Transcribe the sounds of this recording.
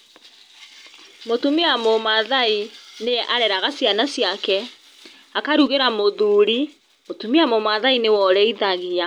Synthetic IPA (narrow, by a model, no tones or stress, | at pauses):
motumiamomaðaineʔaɾɛɾaɣasjanasjakɛ | akaɾuɣeɾamoðuːɾi | motumiamomaðainewɔɾɛiðaɣea